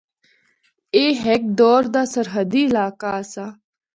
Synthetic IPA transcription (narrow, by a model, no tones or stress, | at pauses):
eːɦɛk̚d̪ɔːɾd̪aːsəɾɦəd̪iːɪlaːkaːəsaː